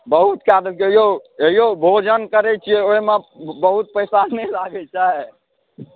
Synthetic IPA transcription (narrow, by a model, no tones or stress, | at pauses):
bəɦut̪kad̪əmkeijoeɦijobʱod͡ʒənkəɾɛt͡ʃʰijɛoimebəɦut̪̚pəjsanɛlaɡɛt͡ʃaɦe